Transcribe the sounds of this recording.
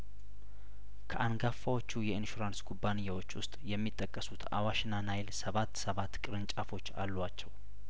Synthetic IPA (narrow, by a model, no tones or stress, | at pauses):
kʰəʔanɡafːawo̞t͡ʃːujɛɨnʃuɾanskʰubːanɨjːawo̞t͡ʃːwʊst̪ʼjɛmːit̪ʼːəkʼːəsut̪ʰa̰waʃɪnanajlsəβat̪ːsəβat̪ːkʼɨɾɨnt͡ʃʼafo̞t͡ʃːa̰lːuat͡ʃːɛw